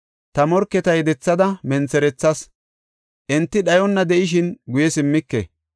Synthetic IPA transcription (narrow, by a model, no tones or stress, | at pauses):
t̪ɐmɔɾkːɛt̪ɐjd̪ɛt͡sːɐd̪ɐmɛnt͡sːɛɾɛt͡sːɐs | ʔɪnt̪ːɪɗɐjɔnːɐd̪ɛʔɪʃ̬ɪnɡʊjɛsɪmːɪkːɛ̰